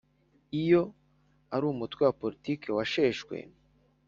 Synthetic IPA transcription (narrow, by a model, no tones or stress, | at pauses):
ijo̞ | aɾuːmutwewapo̞ɾitiːke̞waʃe̞ːʃkwḛ